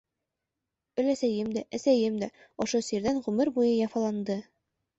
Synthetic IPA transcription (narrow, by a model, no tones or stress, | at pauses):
ɵ̆læsæjɘmd̪æʔæsæjɘmd̪æ | ɒʃosiɾd̪ænʁʉmɘɾbujɤjɒfɑlˠɑnd̪ɤ